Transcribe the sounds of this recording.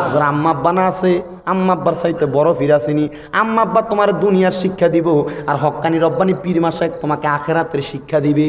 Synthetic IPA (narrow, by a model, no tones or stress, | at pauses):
oɾamːabːanaase | amːabːaɾsajt̪ebɔɾofʰiɾasini | amːabːat̪omaɾed̪unijaɾʃikʰːad̪iboaɾɦɔkːaniɾɔbːanipiɾimaʃak̚t̪omakeakʰeɾat̪eɾʃikʰːad̪ibe